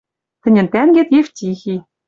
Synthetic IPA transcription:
t̪ɘ̆nʲɘ̆nt̪ænɡʲet̪jeftʲixʲi

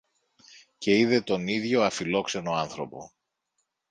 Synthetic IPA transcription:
ce̞iðe̞t̪o̞niðʝo̞ɐfilo̞kse̞no̞ɐnθɾo̞po̞̰

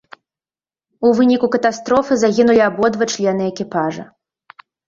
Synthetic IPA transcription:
uvɨnʲikukɐt̪ast̪ɾɔfɨzaɣʲinulʲiabɔd̪vɐt͡ʂlʲɛn̪ɨɛkʲipaʐɐ̰

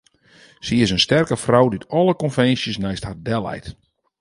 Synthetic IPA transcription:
siɪsənstɛrkəfrawditɔlˠəkɔnfɛnsjəsnɛjsthat̚dɛlˠɛ̰jt

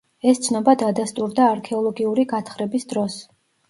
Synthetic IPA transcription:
ɛst̪sʰnɔbad̪ad̪ast̪ʼuɾd̪aːɾkʰɛɔlˠɔɡiuɾiɡat̪ʰχɾɛbisd̪ɾɔs

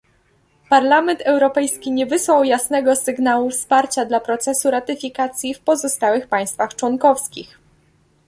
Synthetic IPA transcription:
paɾlamɛnt̪ʰɛwɾɔpɛjskʲiɲɛvɘswawjasnɛɡɔsɘɡnawufspaɾt͡ɕad̪lapɾɔt̪sɛsuɾat̪ɘfʲikat̪sʲjifpɔzɔst̪awɘxpaj̃st̪faxt͡ʂwɔnkɔfskʲix

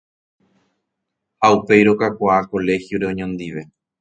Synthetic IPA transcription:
haupe̞jɾo̞kakʷaako̞le̞hjoɾe̞oɲõnd̪iʋe̞

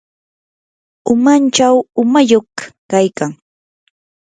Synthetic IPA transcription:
ʊmant͡ʃawʊmajoχkajkaŋ

